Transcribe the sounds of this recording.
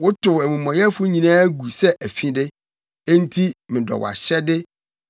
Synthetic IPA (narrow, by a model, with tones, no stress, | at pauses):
wʊ˦tʰʊ˨æ˨mũ˨mɔ̃˨jɛ˦fʊ˦ɲĩ˨nãː˦ɡu˨sɛ˦ʔæ˨fĩ˦dɪ˦ | e˦n̩˦tʰi˦mɪ̃˨dɔ̰˨w̰a̰˨ɕɛ˦dɪ˦